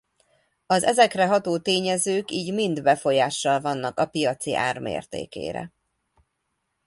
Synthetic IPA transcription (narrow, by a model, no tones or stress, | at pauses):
ɒzɛzɛkrɛɦɒt̪oːt̪eːɲɛzøːkiːɟmind̪bɛfo̞jaːʃːɒlvɒnːɒkɒpijɒt̪siʔa̰ːrmḛːrt̪ḛːkḛːɾɛ̰